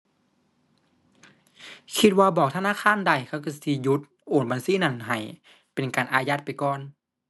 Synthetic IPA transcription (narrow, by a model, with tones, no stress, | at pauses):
kʰi˧t̪̚waː˧bɔː˨˩k̚t̪ʰa˧naː˧˥˨kʰaː˧˥˨nda˨˧˩jkʰa˧˥˩wka˧˩si˧˩ju˧˦˥t̪̚ | ʔoː˨˩nba˨nsiː˧˥˨na˧˩˨nɦa˧˩j | pe˨nkaː˨nʔaː˨˧ja˧˦t̪̚pa˨jkɔː˧˨n